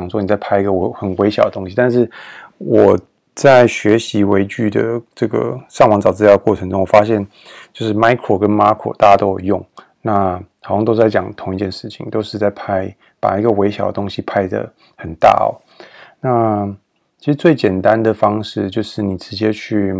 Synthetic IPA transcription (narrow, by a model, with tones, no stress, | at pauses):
ŋswɔ˥n˨˩t͡sa˥˩ɪpʰa˥ɪi˧ɡə˧xə˨˩nwe˧˥ɪɕjɑ˨˩ʊd̪ə˩t̪ʊ˥ŋɕi˧t̪a˥˧nʂ̬ɻ̩˥˩wɔ˨˩ | t͡sa˥˩ɪɕɥɛ˧˥ɕi˧˥we˧˥ɪt͡ɕy˥˩d̪ə̰˩ʈ͡ʂɤ˥˩ɡə̰˩ʂɑ˥˩ŋwɑ˧˥ŋt͡sɑ˨ʊt͡sɹ̩˥jɑ˥˩ə˧kwɔ˥˩ʈ͡ʂʰɤ˧˥ŋʈ͡ʂʊ˥ŋwɔ˨˩fa˥ɕ̬jɛ˥˩n | t͡ɕjo˥˧ʊʂɻ̩˥˩ma˥ɪkʰɹo˨˩kə˦nma˥kʰo̰˨˩t̪a˥˩t͡ɕa˥t̪o˥ʊjjʊ˥˩ŋ | na˥˩xɑ˨˩ʊjɑ˥˧ŋ˧t̪o˥ʊt͡sa˥˩ɪt͡ɕjɑ˨˩ŋt̪ʰʊ˧˥ŋi˧t͡ɕjɛ˥˧nʂɻ̩˥˩t͡ɕʰḭ˨˩ŋt̪o˥ʊʂɻ̩˥˧t͡sa˥˧ɪpʰa˥ɪ | pa̰˨˩i˧˥ɡə˨we˧˥ɪɕjɑ˨˩ʊd̪ə̰˩ʊ˥ŋɕi˨˧pʰa˥˧ɪd̪ə̰˩ | xə˨˩nt̪a̰˥˩ɔ̰˨˩ | na˥˧ | t͡ɕʰi˧˥ʂɻ̩˧˥t͡swe˥˩ɪt͡ɕjɛ˨˩nt̪a˦nd̪ə˨fɑ˥ŋʂɻ̩˥˩˧t͡ɕjo˥˧ʊʂɻ̩˥˩ni˨˩ʈ͡ʂɻ̩˧˥t͡ɕjɛ˥t͡ɕʰy˥˩